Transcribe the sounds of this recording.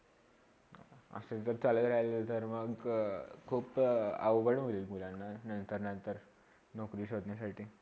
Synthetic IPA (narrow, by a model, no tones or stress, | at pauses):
ə̰set̪əɾt͡saləd̪ɾajlet̪əɾməɡkʰuːpə̰ʋʋəɽmoliːlmulanːanənt̪əɾnənt̪əɾ | nokɾiːɕod̪njasaʈʰiː